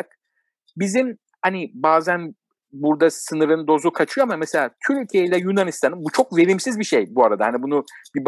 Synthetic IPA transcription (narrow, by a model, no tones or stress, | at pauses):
k̚ | bizim | hanibaːzæn | buɾd̪asɯnɯɾɯnd̪o̞zukʰat͡ʃʰɯjoamamese̞lʲaːt̪ʰyɾycʰeilʲɛjunanist̪ʰanɯmbut͡ʃʰo̞kve̞ɾimsizbiʃejbuaɾad̪ahanibunubib